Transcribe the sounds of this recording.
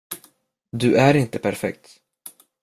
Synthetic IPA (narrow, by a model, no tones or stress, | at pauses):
d̪ɵæɾɪnt̪əpʰæɾfɛ̰k̚t̪